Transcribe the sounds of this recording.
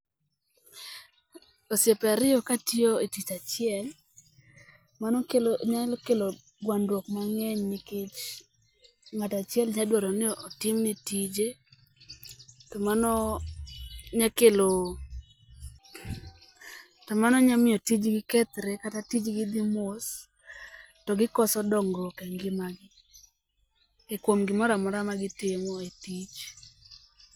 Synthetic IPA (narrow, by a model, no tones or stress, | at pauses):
osjepɛaɾɪɔkatioetit͡ʃat͡ʃɪɛl | manɔkeloɲakelo | ɡwandwɔkmaŋɛɲnikit͡ʃ | ŋatat͡ʃjɛlɲadwaɾɔnɪɔʔːtɪmnitid͡ʒe | tɔmanɔ | ɲakelo | tɔmanɔɲamɪɔtid͡ʒɡɪkɛt̪ɾɛkatatid͡ʒɡɪd̪ɪmos | tɔɡɪkɔsɔdɔŋɡɔkɛŋɡɪmaɡɪ | ekwomɡɪmɔɾamɔɾamaɡɪtɪmɔetid͡ʒ